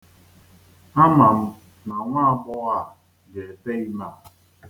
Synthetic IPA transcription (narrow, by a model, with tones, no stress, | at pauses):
a˦ma˨m̩˦ | na˨ŋʷa˦ɡ͡bɔ˦a˦˨ | dɪ˨e˨te˦i˦ma˦˨